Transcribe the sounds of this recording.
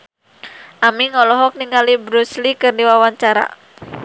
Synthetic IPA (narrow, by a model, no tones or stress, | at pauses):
ʔamiŋɔlɔɦɔk̚niŋalibɾuslikɨrdiwawaɲt͡ʃaɾa̰